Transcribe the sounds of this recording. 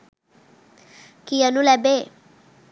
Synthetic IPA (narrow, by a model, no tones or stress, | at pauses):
kijanulɛbe